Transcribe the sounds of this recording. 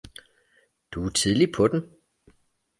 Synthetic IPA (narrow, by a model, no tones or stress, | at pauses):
d̥ut͡sʰið̞ˠlipʰɒ̽d̥en